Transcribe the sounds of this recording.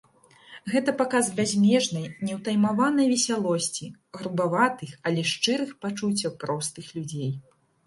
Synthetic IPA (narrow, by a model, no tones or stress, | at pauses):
ɣɛt̪ɐpakazbʲazʲmʲɛʐnɐjnʲɛwt̪ajmavan̪ɐjvʲɛsʲalˠɔsʲt͡sʲiɣɾubavat̪ɨxɐlʲɛʂt͡ʂɨɾɨxpat͡ʂut͡sʲːɐwpɾɔst̪ɨxlʲud͡zʲej